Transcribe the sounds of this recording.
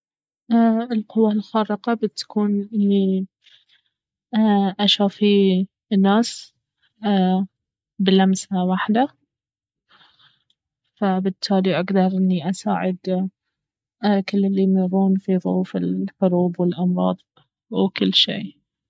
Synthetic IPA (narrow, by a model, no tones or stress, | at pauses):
ʔɪlqʊwːalxɑːɾˤɪqɑbɪt̪ḁkuːnʔɪnːi | ʔaʃaːfi | nːaːs | bɪlamsawaħd̪a | fabɪt̪ʰːaːliʔaɡd̪ɑɾˤʔɪnːiʔasa̰ːʕɪd̪ | kɪlːɪlːimɪɾˤuːnfiðˤʊuːfɪlħʊɾuːbwɪlʔɑmɾˤɑ̰ːd̪ˤ | wkɪlːʃḭː